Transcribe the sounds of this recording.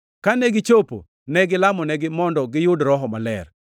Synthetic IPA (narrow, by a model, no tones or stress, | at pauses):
kanɛɡɪt͡ʃopo̰ | nɛɡɪlamɔnɛɡɪmɔndɔɡɪjʊdɾɔɦɔmalɛ̰r